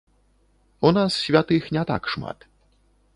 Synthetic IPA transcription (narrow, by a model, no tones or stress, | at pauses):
ɔnasɕvʲat̪ɨxnʲat̪a̰kʂma̰t̪